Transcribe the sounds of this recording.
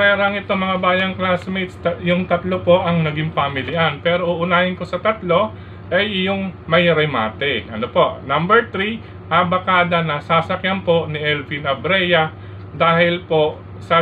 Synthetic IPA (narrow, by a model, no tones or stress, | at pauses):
ɛɾɐŋɪt̪oŋmɐŋabaːjɐŋklasmɛt̪st̪ɐjʊŋt̪ɐt̪lo̞po̞ʔɐŋnɐɡɪŋpamɪlɪʔɐnpɛːɾo̞ʔʊʔʊnaːjɪnko̞sɐt̪ɐt̪lo̞ | ʔɐjjʊŋmɐjɾɛmaːt̪ɛʔɐnopo̞nɐmbɛɹt̪ɾi | habɐkaːd̪ɐnɐsasɐkjanpo̞nɪʔɛlvinɐbɾɛjɐ | d̪aːhɪlpo̞ | sɐ